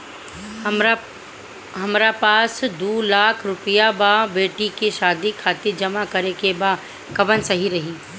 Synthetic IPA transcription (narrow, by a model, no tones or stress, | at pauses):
ɦɐmɾapaːsd̪uːlaːkʰɾʊpijababeːʈikiʃaːd̪ikʰaːt̪iɾd͡ʒɐmakɐɾekebaː | kɐʋənsɐɦiɾɐɦiː